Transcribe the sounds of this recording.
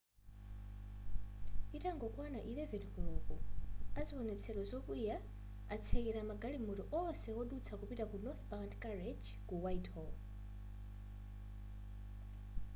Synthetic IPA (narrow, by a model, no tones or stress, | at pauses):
itʼaŋɡɔkwanaʔilɛvɛnikulɔkɔaziwɔnɛt͡sʰɛlɔzɔkuja | at͡sʰekɛɾamaɡalimɔtɔʔɔsɛɔɗut͡sʰakupitakunɔθbantkʼaɾed͡ʒ | kuwajthɔl